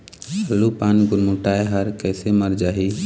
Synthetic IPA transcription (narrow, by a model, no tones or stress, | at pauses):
səlːupaːnɡʊɾmʊʈaːeɦəɾkɛːseməɾd͡ʒaːɦiː